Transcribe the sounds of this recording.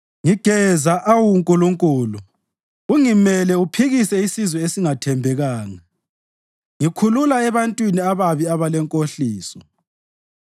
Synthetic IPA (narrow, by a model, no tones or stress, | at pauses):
ŋiɡ̥ʱɛzaʔawuŋkʼuluŋkʼuːlu | uŋimɛlɛupʰiɣisɛisizwɛesiŋatʰɛmbʱɛɣaːŋa | ŋikʰululaɛβantʼwiniaβaβiaβalɛŋkʼoɬiːsɔ